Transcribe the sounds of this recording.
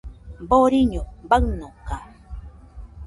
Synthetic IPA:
boɾiɲobaknoka

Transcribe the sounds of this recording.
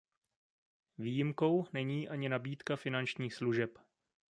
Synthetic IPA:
viːjɪmko̞wnɛɲiːʔaɲɪnabiːt̪kafɪnant͡ʃɲiːxsluʒɛp

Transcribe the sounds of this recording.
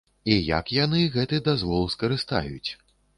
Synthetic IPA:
ijɐ̰kjanɨɣɛt̪ɨd̪azvɔlˠskɐɾɨst̪a̰jut͡sʲ

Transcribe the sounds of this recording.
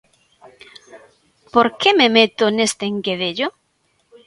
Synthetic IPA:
poɾkememet̪onest̪eŋkeðeʎo

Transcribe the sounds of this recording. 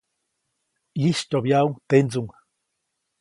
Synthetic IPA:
jiʃt̪objauŋt̪end͡zuŋ

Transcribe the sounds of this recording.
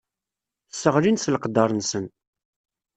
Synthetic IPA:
sːəʁlinsləqd̪ɑɾˤənsən

